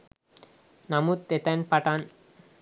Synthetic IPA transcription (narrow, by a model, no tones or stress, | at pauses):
namut̪ːet̪ɛnpaʈan